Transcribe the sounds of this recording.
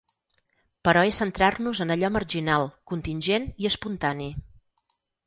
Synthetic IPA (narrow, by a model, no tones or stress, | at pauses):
pəɾɔesənt̪ɾarnuzənəʎɔmərʒinalˠkunt̪inʲʒeniəspunt̪ani